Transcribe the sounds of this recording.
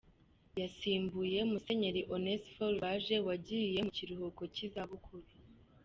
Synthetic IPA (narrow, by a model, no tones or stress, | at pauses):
jasiːmbuje̞muse̞ɲe̞ɾiʔonesfolβaʒe̞waɟije̞muciɾuhoko̞cizaβukʰuɾi